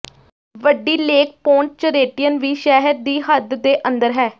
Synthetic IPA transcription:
ʋəɖiːleːk̚põːɳʈ̚t͡ʃəɾeːʈijənʋiːʃɛːɦəɾd̪iːɦəd̪d̪eːʔənd̪əɾɦɛː

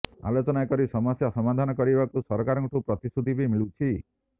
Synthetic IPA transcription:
a̰lot͡ʃɔnakɔɾisɔmɔsjasɔmad̪ʱanɔkɔɾibakusɔɾɔkaɾɔŋʈupɾɔt̪isud̪ʱibʱimiɭut͡ʃʰi

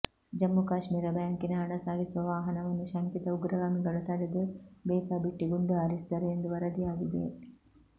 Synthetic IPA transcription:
d͡ʒɐmːukaːʃmiːɾɐbjaːŋkinɐɐɳɐsaːɡisuʋɐʋaːɦɐnɐʋɐnːuʃɐŋkit̪ɐuɡɾɐɡaːmiɡɐɭut̪ɐɽed̪ubeːkaːbiʈːiɡuɳɖuaːɾisi̥d̪ɐɾuend̪uʋɐɾɐd̪ijaːɡid̪ḛ

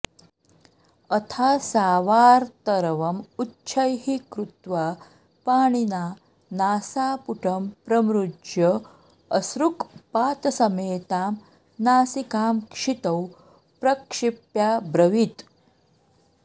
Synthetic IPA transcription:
ət̪ʰaːsaːʋaːɾt̪ɐɾʋɐmutːɕʰəjɦikɾut̪ʋa | paːɳ̃ina | naːsaːpuʈʰɐmpɾɐmɾud͡ʒjə | əsɾukpaːt̪sɐmeːt̪aːm | naːsikaːmkʂit̪ɐw | pɾɐkʂipjabɾɐʋit̪

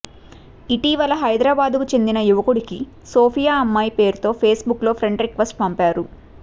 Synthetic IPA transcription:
iʈiːʋɐlɐɦɐjd̪ɾaːbaːd̪kut͡ʃe̞nd̪inɐjuʋɐkuɽiki | soːpʰijaːɐmːaːjpe̞ːɾut̪o̞ːpʰe̞ːsbukːlo̞ːpʰɾeɳɖɾikʋɐsʈpɐmpaːɾu

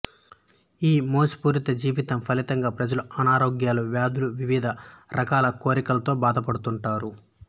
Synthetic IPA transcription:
iːmoːsi̥puːɾit̪ɐd͡ʒiːʋit̪ɐmpʰɐlit̪ɐŋɡaːpɾɐd͡ʒɐluɐnaːɾo̞ːɡjaːluʋjaːd̪uluʋiʋid̪ʱɐɾʔɐkaːlɐko̞ːɾikɐlɐt̪o̞ːbaːd̪ɐpɐɽut̪uɳʈaːɾu

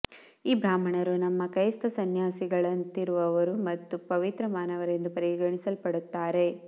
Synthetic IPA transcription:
iːbɾaːm̤ɐɳɐɾunɐmːɐkɐjst̪ɐsɐnjaːsiɡɐɭɐnt̪iɾuʋɐʋɐɾumɐt̪ːupɐʋit̪ɾɐmaːnɐʋɐɾe̞nd̪upɐɾiɡɐɳisɐlpɐɽut̪ːaːɾe̞

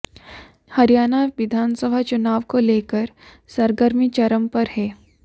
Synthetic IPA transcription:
hɐɾijaːnaʋɪd̪ʱaːnsəbʱat͡ʃʊnaːʋkoleːkəɾ | səɾɡəɾmit͡ʃɐɾəmpɐɾɦɛː

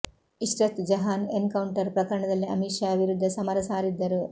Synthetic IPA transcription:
iʃɾɐt̪d͡ʒɐɦaːneŋkɐwɳʈɐɾpɾɐkɐɾɐɳɐd̪ɐlːiɐ̰miʃaɐbʱiɾud̪ʱːɐsɐmɐɾɐsaːɾid̪ːɐɾu

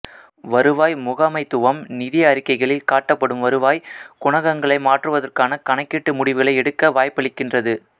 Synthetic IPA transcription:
ʋɐɾɯʋaːjmʊɣamɐɪt̪ːɯʋɐmnɪðɪjɐːɾɪkːɐɪɣɐɭɪlkaːʈːɐpːɐɽɯmʋɐɾɯʋaːjkʊɳɐɣɐŋɡɐɭɐɪmaːʈrɯʋɐðɐrkaːnɐkɐɳɐɪkːɪʈːɯmʊɽɪʋɯɣɐɭɐɪɛɽɯkːɐʋaːjpɐɽɪkːɪndrɐðɯ

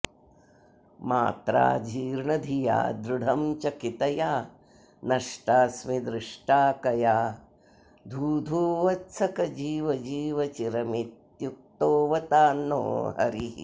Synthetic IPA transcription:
ma̰ːt̪ɾa̰ːd͡ʒʱiːɾɳɐd̪ʱija̰ːd̪ɾuɽʱɐmt͡ʃɐkit̪ɐjaː | nɐʂʈaːsmid̪ɾɪʂʈaːkɐjaː | d̪ʱuːd̪ʱuːʋɐt̪sɐkɐd͡ʒiːʋɐd͡ʒiːʋɐt͡ʃiɾɐmit̪juk̚t̪oːʋɐt̪aːno̰ːɦɐ̰ɾḭ

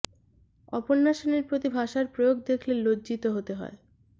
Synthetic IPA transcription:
ɔponːaʃoneɾpɾot̪ibʱaʃaɾpɾojoɡ̚d̪ekʰlelodd͡ʑit̪oɦot̪eɦɔ̰e

